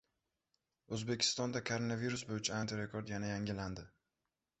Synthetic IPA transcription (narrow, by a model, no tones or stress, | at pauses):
ɵzbekʲʰɪ̥st̪ɒnd̪akʰoɾonaviɾusbojɪt͡ʃʰaant̪ʰeɾekʰoɾd̪janajaŋʲɪland̪ɪ